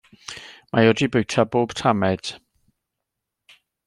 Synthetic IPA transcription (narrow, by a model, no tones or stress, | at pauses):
mʔajɔdibʊjtʰaboːb̥tʰamɛd̥